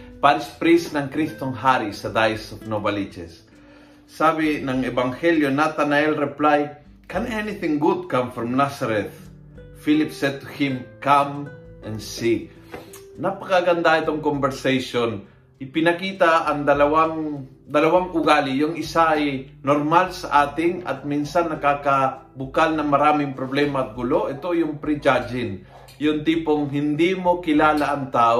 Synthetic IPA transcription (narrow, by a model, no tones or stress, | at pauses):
paɾɪspɾisnɐŋkɾist̪oŋɦaɾisɐd̪ajsofnobɐlit͡ʃɛ̰sː | aːbɪnɐŋɛbɐŋhɛljonat̪anɐɛlɾɛplaj | kɛnɛniθɪ̃ŋɡʊd̪̚kãmfɾɔmnasɐɾɛθ | filɪpsɛt̪ːʊhɪmkamʔɛ̃nsi | napɐkaɡɐnd̪aɪt̪oŋkombɛɾsejʃon | ʔɪpɪnɐkiːt̪ɐʔɐŋd̪ɐlɐwaŋ | d̪ɐlɐwaŋʔʊɡaːlɪjʊŋɪsaʔɐjnoɾmalsɐʔaːt̪ɪŋɐ̰t̪̚minsanːɐkakɐbʊkalnɐmɐɾaːmɪŋpɾoblɛmɐɐt̪̚ɡʊlo̞ʔɛt̪ojʊŋpɾɪd͡ʒad͡ʒɪn | jʊŋt̪ipoŋɦɪnd̪imo̞kɪlaːlaʔɐŋt̪aːʔo